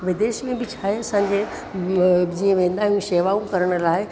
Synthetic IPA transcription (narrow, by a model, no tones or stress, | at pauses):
ʋɪd̪eːʃmẽbɪt͡ɕʰaːɦeɐsãːɲd͡ʑe | d͡ʑiːə̃ʋẽːnd̪aːɦiũʃeːʋaũkɐɾəɽ̃ʊ̆laːɪ